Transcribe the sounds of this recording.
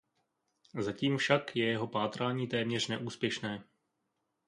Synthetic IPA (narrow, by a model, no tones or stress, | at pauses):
zaciːmfʃakjɛjɛɦo̞paːt̪ɾaːɲiːt̪ɛːmɲɛr̝nɛʔuːspjɛʃnɛː